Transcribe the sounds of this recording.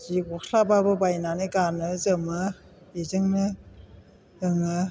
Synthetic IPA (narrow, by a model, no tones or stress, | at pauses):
ziɡɔkʰlababɯbajnaniɡanɯzɯmɯ | ezɯŋnɯ | ɯŋɯ